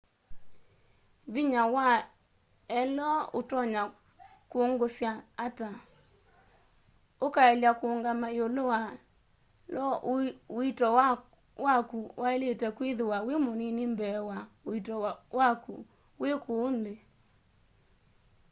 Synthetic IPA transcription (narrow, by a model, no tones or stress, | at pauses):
βiɲawa | ɛlɔotɔɲa | kwoŋɡosjaːta | okaɛljakoŋɡamaeolowa | lɔoitɔ | wakuwʔaeletɛkweðewawemoninimbɛwaoitɔwakṵ | wekoːnde